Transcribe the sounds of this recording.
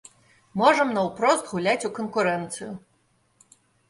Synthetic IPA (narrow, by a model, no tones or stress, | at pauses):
mɔʐɐmnɐwpɾɔst̪ɣulʲat͡sʲukɔnkuɾɛnt̪sɨjʊ